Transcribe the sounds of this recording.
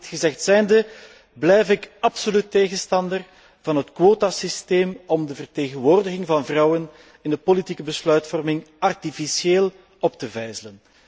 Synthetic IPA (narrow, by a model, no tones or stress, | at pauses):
txəzɛxtsɛjndə | blɛjfɪkɑpsolytːeːɣənstɑndər | vɑnɦətkwoːtasisteːmɔmdəvərteːɣənʋoːrdəɣɪŋvɑnvrɑwən | ɪndəpolitikəbəslœɥtfɔrmɪŋɑrtifisieːlˠ | ɔp̚təvɛjzələn